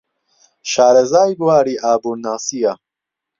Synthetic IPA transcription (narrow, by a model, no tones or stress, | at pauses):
ʃaːɾɐzaːjɡuwaːɾiːʔaːbuːnaːsiːja